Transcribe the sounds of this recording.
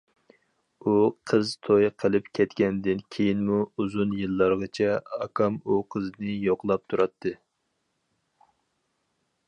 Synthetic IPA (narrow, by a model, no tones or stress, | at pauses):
uqʰəzt̪ʰojqʰəlˠɨpkʲʰɛt̪kʲɛnd̪ɪnkʲʰejinmuuzunjɨlˠːɑɾʁɑt͡ʃʰɛɑkʰɑmuqʰəznɨjoqlˠɑp̚t̪ʰuɾɑt̪ʰːɨ